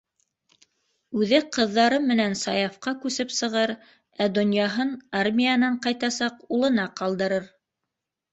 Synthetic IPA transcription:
ʉðɘqɤ̆ðːɑɾɤmɘ̆nænsɑjɑfqɑkʉsɘpsɤ̆ʁɤɾ | æd̪ŏnjɑɦɤnarmʲijanɑɴqɑjt̪ɑsɑqulˠɤ̆nɑqɑlˠd̪ɤ̆ɾɤɾ

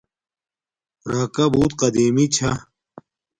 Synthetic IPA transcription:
ɾaːkɐbuːt̪qɐd̪iːmit͡ɕʰɐ

